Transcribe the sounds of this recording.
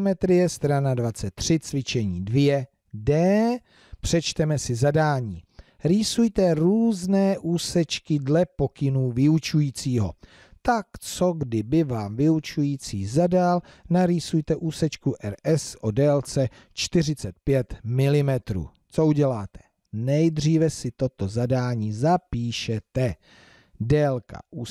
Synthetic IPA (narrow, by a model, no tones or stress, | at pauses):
mɛt̪ɾɪjɛst̪ɾanadvat͡sɛt̪ːr̝̥ɪt͡svɪt͡ʃɛɲiːdvjɛ | dɛː | pr̝̥ɛt͡ʃt̪ɛmɛsɪzadaːɲiː | ɾiːsujt̪ɛɾuːznɛːʔuːsɛt͡ʃkɪdlɛpo̞kɪnuːvɪut͡ʃujiːt͡siːɦo̞̰ | t̪akt͡so̞ɡdɪbɪvaːmvɪut͡ʃujiːt͡siːzadalnaɾiːsujt̪ɛʔuːsɛt͡ʃkuʔɛɾʔɛsʔodɛːlt͡sɛ | t͡ʃt̪ɪr̝ɪt͡sɛt̪̚pjɛt̪mɪlɪmɛt̪ɾṵː | t͡so̞uɟɛlaːt̪ɛ̥ | nɛjd̪r̝iːvɛsɪt̪o̞t̪o̞zadaːɲiːzapiːʃɛt̪ɛ | dɛːlka̰ʔuː